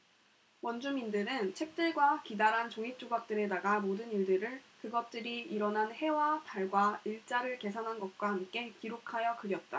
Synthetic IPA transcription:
wʌnd͡ʑumindɯɾɯnt͡ɕʰwek̚t͈ɯɭɡwakidaɾɦant͡ɕoŋip̚t͡ɕ͈oɡak̚t͈ɯɾe̞daɡamodɯniɭdɯɾɯɭkɯɡʌt̚t͈ɯɾiiɾʌnɦanhe̞wataɭɡwaiɭt͡ɕ͈aɾɯɭke̞s̬ʰanɦanɡʌt̚k͈wahamk͈e̞kiɾokʰajʌkɯɾjʌt̚t͈a

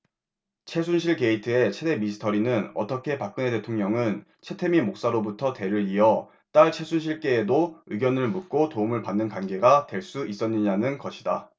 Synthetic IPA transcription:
t͡ɕʰe̞sʰunɕ̬ʰiɭke̞itʰɯe̞t͡ɕʰe̞de̞misʰɯ̥tʰʌɾinɯnʌ̰t͈ʌkʰe̞pak̚k͈ɯne̞te̞tʰoŋɲʌŋɯn | t͡ɕʰe̞tʰe̞mimok̚s͈aɾobutʰʌte̞ɾɯɾiʌ | t͈aɭt͡ɕʰe̞sʰunɕʰiɭk͈e̞ːdoɯɡjʌnɯɭmuk̚k͈otoumɯɭpanːɯnkwanɡe̞ɡatwe̞ɭs͈uis͈ʌnːɯɲanɯnkʌɕʰida

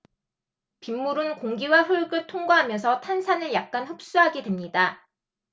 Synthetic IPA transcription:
pimːuɾɯnkoŋɡiwaɸuɭɡɯɭtʰoŋɡwaɦamjʌnsʰʌtʰansʰanɯɭjak̚k͈anhʌp̚s͈uɦaɡedwe̞mɲida

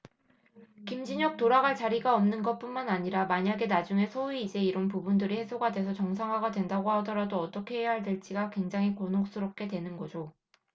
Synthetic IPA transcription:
kimd͡ʑiɲʌk̚toɾaɡaɭt͡ɕaɾiɡaʌmnɯnɡʌt̚p͈unmanaɲiɾamaɲaɡe̞nad͡ʑuŋe̞sʰouiid͡ʑe̞iɾʌnpubundɯɾihe̞sʰoɡadwe̞sʰʌt͡ɕʌŋsʰaŋɦaɡadwe̞ndaɡohadʌɾadoʌt͈ʌkʰe̞ɦejaɦaɭdweɭt͡ɕ͈iɡakwe̞ŋd͡ʑaŋɦikʌnok̚s͈ɯɾʌp̚k͈e̞dwe̞nɯnɡʌd͡ʑo

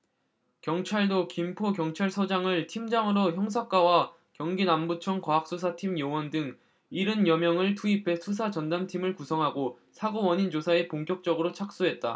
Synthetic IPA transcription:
kjʌŋt͡ɕʰaɭdokimpʰokjʌŋt͡ɕʰaɭsʰʌd͡ʑaŋɯɭtʰimd͡ʑaŋɯɾoçjʌŋs̬ʰak͈awa | kjʌŋɡinambut͡ɕʰʌŋkwaɦak̚s͈usʰatʰimjʌwʌndɯŋ | iɾɯnjʌmjʌŋɯɭtʰuipʰe̞sʰus̬ʰat͡ɕʌndamtʰimɯɭkusʰʌŋɦaɡo | sʰaɡowʌɲind͡ʑosʰae̞poŋk͈jʌk̚t͡ɕ͈ʌɡɯɾot͡ɕʰak̚s͈uɦe̞t̚t͈a̰

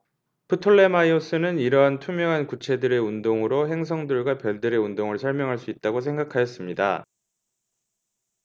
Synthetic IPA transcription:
pʰɯtʰoɭːe̞maios͈ɯnɯniɾʌɦantʰumjʌŋɦankut͡ɕʰe̞dɯɾe̞undoŋɯɾoɦe̞ŋsʰʌŋdɯɭɡwapjʌɭdɯɾe̞undoŋɯɭsʰʌɭmjʌŋɦaɭs͈uit̚t͈aɡosʰe̞ŋɡakʰajʌs͈ɯmɲida̰

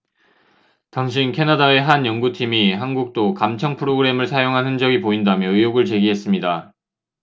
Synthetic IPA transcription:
taŋɕ̬ʰinkʰe̞nadae̞ɦanjʌŋɡutʰimiɦanɡuk̚t͈okamt͡ɕʰʌŋpʰɯɾoɡɯɾe̞mɯɭsʰajoŋɦanɦɯnd͡ʑʌɡipoindamjʌɯjoɡɯɭt͡ɕe̞ɡiɦe̞s͈ɯmɲida

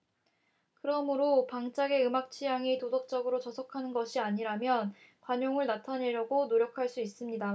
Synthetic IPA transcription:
kɯɾʌmɯɾopaŋt͡ɕ͈aɡe̞ɯmak̚t͡ɕʰijaŋitosʌk̚t͡ɕ͈ʌɡɯɾot͡ɕʌsʰʌkʰanɯnɡʌɕʰiaɲiɾamjʌnkwaɲoŋɯɭnatʰane̞ɾjʌɡonoɾjʌkʰaɭs͈uis͈ɯmɲida

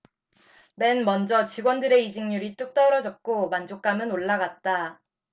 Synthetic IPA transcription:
me̞nmʌnd͡ʑʌt͡ɕiɡwʌndɯɾe̞id͡ʑiŋɲuɾit͈uk̚t͈ʌɾʌd͡ʑʌk̚k͈omand͡ʑok͈̚amɯnoɭːaɡat̚t͈a

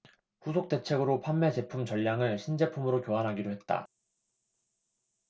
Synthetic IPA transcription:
ɸusʰok̚t͈e̞t͡ɕʰe̞ɡɯɾopʰanːe̞t͡ɕe̞pʰumt͡ɕʌʎːaŋɯɭɕʰind͡ʑe̞pʰumɯɾokjoɦanɦaɡiɾohe̞t̚t͈a̰

